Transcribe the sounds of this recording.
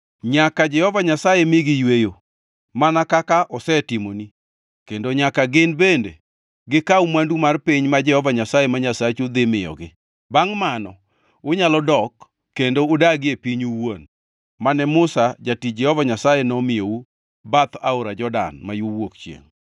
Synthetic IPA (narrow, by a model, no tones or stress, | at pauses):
ɲakad͡ʒɛhɔvaɲasajemɪɡɪjwejo | manakakaʔɔsɛtɪmoni | kendoɲakaɡɪnbende | ɡɪkaumandumarpiɲmad͡ʒɛhɔvaɲasajemaɲasat͡ʃud̪ɪmɪjɔ̰ɡɪ | baŋmanɔ̰ | ʊɲalɔdɔkː | endoʊdaɡɪepiɲuwon | manɛmʊsad͡ʒatid͡ʒɛhɔvaɲasajenɔmɪjou | bat̪aoɾad͡ʒɔda̰nmajowokt͡ʃjḛŋ